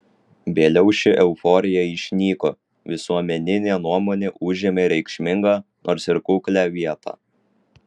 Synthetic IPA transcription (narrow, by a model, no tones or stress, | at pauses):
ʋʲeːlʲɛʊʃʲɪʔɛʊfɔɾʲɪjɛɪʃʲnʲiːko | ʋʲɪsuɔmʲɛnʲɪnʲeːnuɔmoːnʲeːʔʊʒʲeːmʲeːɾʲɛɪkʃʲmʲɪŋɡɑːnoːɾsɪɾkʊːklʲæːʋʲiɛt̪ʰɑ̰ː